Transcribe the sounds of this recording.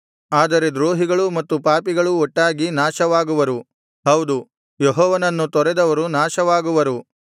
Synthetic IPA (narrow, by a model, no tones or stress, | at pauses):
aːd̪ɐɾe̞d̪ɾoːɦiɡɐɭumɐt̪ːupaːpiɡɐɭuɔʈːaːɡinaːʃɐʋaːɡuʋɐɾu | hɐwd̪u | jeɦɔːʋɐnɐnːut̪ɔɾɛd̪ɐʋɐɾunaːʃɐʋaːɡuʋɐɾu